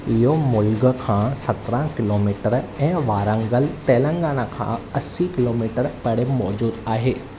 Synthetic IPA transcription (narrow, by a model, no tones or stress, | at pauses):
ɪɦomʊlɡkʰãːsɐt̪ɾãkɪloːmiːʈəɾɛ̃ːʋaːɾə̃ŋɡəlt̪eːlə̃ŋɡaːnakʰã̰ɐsikɪloːmiːʈəɾpɐɽemɔːd͡ʑuːd̪aːɦeː